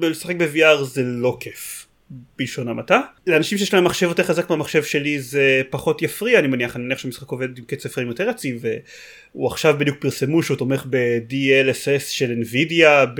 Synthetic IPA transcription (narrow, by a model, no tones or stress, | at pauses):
lesaχe̞k̚beviaʁzelo̞kʰef | b̥ilʃo̞namataleanaʃimʃejelaemːaχʃevjot̪eχazak̚meamaχʃe̞vʃe̞lizepaχo̞tjafʁiaːnimaniaχanimaniaʃemisχako̞ved̪imket͡sefʁeimjoteʁat͡sive | uaχʃavbedjuk̚piʁse̞muʃot̪ome̞χbe̞dielesesʃe̞lenvidjab